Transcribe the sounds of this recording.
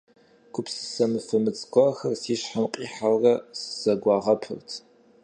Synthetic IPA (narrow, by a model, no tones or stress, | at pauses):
kʷʰʼʊpsɨ̥sɐmɨfɨmɨt͡sʼkʷʼɔxɐrsiːɕħamqʼiːħawrɐsɨ̥z̥ɐɡʷɑːʁɐpʰɨ̰rtʰ